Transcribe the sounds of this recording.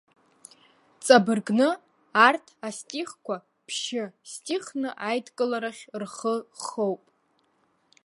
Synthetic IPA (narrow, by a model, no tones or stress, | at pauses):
t͡sʼabɨrɡnɨ | artʰastʼiχkʷa | pʰʃɪstʼiχnɨʔajdkʼɨlaɾaχʲrχəχowpʼ